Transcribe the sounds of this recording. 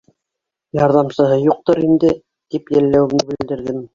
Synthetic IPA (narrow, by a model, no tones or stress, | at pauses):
jɑɾðɑmsɤ̆ɦɤjuq̚t̪ɤɾind̪ɘ | t̪ipjælːæwɘ̆mnɘbɘ̆l̆ld̪ɘ̆ɾðɘm